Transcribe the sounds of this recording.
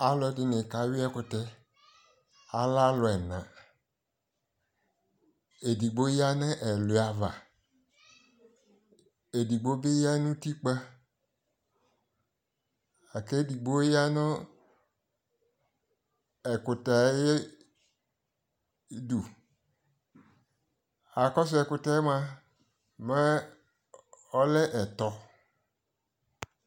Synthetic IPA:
a˦lʊ˨˦ɛ˨˦dɪ˨nɪ̃˨ka˨˦wi˦ɛ˦kʊ˨tɛ˦ | a˨la˦lʊ˨ɛ˨nã˨ | e˨di˨ɡ͡bo˦ja˦nɛ˦ʔɛ˨lʊ˨˦a˨va˨ | e˨di˨ɡ͡bo˦be˦ja˦nũ˦ti˦k͡pa˦ | a˨ke˦di˨ɡ͡bo˦ja˦nʊ̃˦ | ɛ˨kʊ˨ta˨˦je˦ | du˨ | a˨kɔ˦s̬ʊ˦ɛ˨kʊ˨ta˨ɛ˦m˦a˦ | mɛ˦ | ɔ˦lɛ˦ʔɛ˨tɔ˨

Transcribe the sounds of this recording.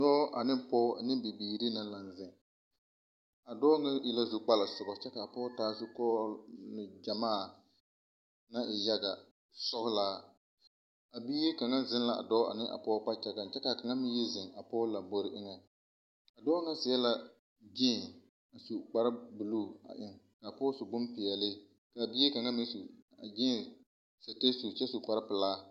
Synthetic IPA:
dɔː˦ʔa˨nɪ˦m˦pɔː˦a˨nɪ˦m˦bi˨biː˨ɾi˦na˦la˨n˨zɪ˨ | a˨dɔː˦ŋɛ˦ɪ˨la˦zu˨k͡pa˦la˨sʊ˨ɡɔ˨t͡ʃɛ˦ka˨a˨pɔː˦taː˦sʊ˦kɔː˦lɪ˨d͡ʒa˨maː˦˨ | na˦ʔɪ˨ja˦ɡa˨ | sɔ˦hʊ˦laː˦ | a˨biː˦je˦ka˨ŋa˦zɪ˦nla˨ʔa̰˨dɔː˦a̰˨nɪ˦ʔa̰˨pɔː˦k͡pa˦t͡ʃɛ˦ɡa˨n˨t͡ʃɛ˦ka˨ka˨ŋa˦mɪ˦je˦zɪ˨ŋa˨pɔː˦la˨bo˦ɾɪ˦ʔɪ˦ŋɛ˨ | a˨dɔː˦ŋa˦sɪ˨jɛ˦la˨ | d͡ʒɪ˦˨ | a˨su˨k͡pa˦ɾbu˨luː˦˨a̰˨ʔɪ˦ŋka˨pɔː˦su˨ɡ͡bʊ˦mpɪ˨ɛ˨lɪ˦ | ka˨biː˦je˦ka˨ŋa˦mi˦su˨a˨d͡ʒɪ˦˨ | sa˨te˦su˨t͡ʃɛ˦su˨k͡pa˦ɾɪ˦pɨ˨laː˦

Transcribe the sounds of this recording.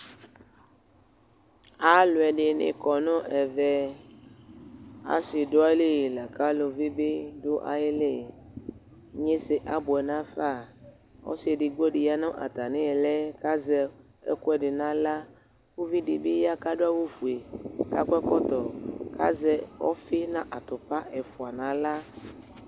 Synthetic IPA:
a˨lo˨ɛ˨ɖɪ˨nḛ̃˨kɔ˨nɔ̃˦ʔɛ˨vɛ˦ | a̰˨si˨do˦a˦le˦˨la˨ka˦lo˨vi˦be˦do˦ʔa̰˨je˦le˦˨ | ɲe˦se˨ʔa˦bo˨ɛ˨nã˦fa˦˨ | ɔ̰˦si˨˦e˨ɖɪ˨ɡ͡be˦ɖɪ˨ja˦nɔ̃˦ʔa̰˨t̪a˨nẽ˦ɛ˨lɛ˦ka˦zɛ˨ | ɛ̰˦kʊ˦ɛ˨ɖɪ˨nã˦la˦ | ku˦vi˦ɖɪ˨be˦ja˦ka˦ɖo˦a˦wo˦fu˨e˨ka̰˦kɛ˦kɔ˦t̪ɔ˨kʰa̰˦zɛ˦wɔ̰˦fɪ˦nã˦ʔa˨t̪ʊ˨pa˦ɛ˨fu˨a˨nã˨˦la˦

